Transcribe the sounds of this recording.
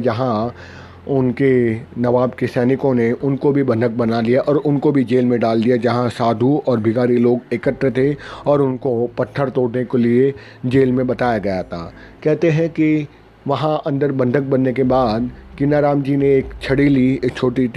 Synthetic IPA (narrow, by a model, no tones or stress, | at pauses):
d͡ʒɐɦã | ʊnkenɐʋaːbkesɛːnɪkõneʊnkobʱibɐ̃nd̪ʱək̚bɐnalijaʔɔːɾʊnkobʱid͡ʒeːlmẽɖaːld̪ijad͡ʒɐɦãsaːd̪ʱuɔːɾbʱɪɡaːɾiloːɡeːkəʈ̪ɾt̪ʰeɔːɾʊnkopɐʈʰːəɾt̪oːɽnekelie | d͡ʒeːlmẽbɐt̪aːjaɡɐjat̪ʰa̰ː | kɛɦt̪eɦɛ̃ki | ʋɐɦãʔɐ̃nd̪əɾbɐ̃nd̪ʱək̚bɐnːek̬ebaːd̪kɪnaːɾaːmd͡ʒineeːkt͡ʃʰɐɽilieːkt͡ʃʰoːʈi